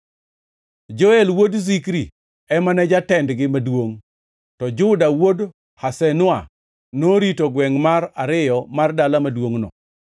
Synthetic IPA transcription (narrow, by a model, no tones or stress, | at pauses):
d͡ʒɔɛlwodzikɾi | ɛmanɛd͡ʒatɛndɡɪmadwoŋ | tɔd͡ʒʊdawod | hasɛnʊa | noɾitoɡwɛŋmaraɾɪjɔmardalamadwoŋnɔ̰